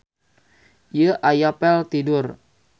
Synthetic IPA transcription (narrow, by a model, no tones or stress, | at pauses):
jəʔajapɛlt̪idʊr